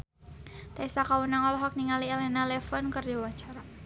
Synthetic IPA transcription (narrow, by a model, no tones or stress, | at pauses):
t̪aisakawunaŋɔlɔɦɔk̚niŋalielɛnalɛfɔnkərjuwḁt͡ʃaɾa